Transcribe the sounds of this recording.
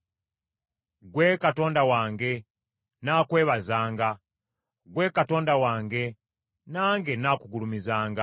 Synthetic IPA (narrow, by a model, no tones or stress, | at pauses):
ɡweːkato̞ːndawaːŋɡe̞ | naːkwe̞ːβazaːŋɡa | ɡwe̞ːkato̞ːndawaːŋɡe̞ | naːŋɡenakuɡulumizaːŋɡa